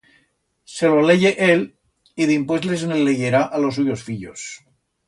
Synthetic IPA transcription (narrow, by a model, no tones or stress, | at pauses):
se̞loleʝeʔel | iðimpwezles̬enelːeʝeɾaʔalo̞s̬uʝosfiʎos